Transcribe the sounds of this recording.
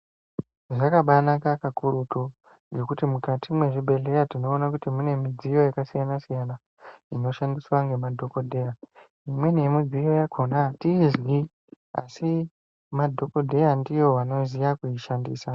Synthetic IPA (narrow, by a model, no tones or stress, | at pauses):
ʐakaɓanakakakuɾuto | ŋɡe̞kutimukatʰimwe̞ʐibʱe̞ɮe̞jatino̞ːnakutimune̞mid͡zijo̞jakasijanasijana | ino̞ʃandiswaŋɡe̞madʱo̞ko̞dʱe̞ja | imwe̞nemid͡zijo̞jakʰo̞natiːzwi | a̰si | madʱo̞kodʱe̞jandijo̞ʋano̞zijakuiʃandḭːsa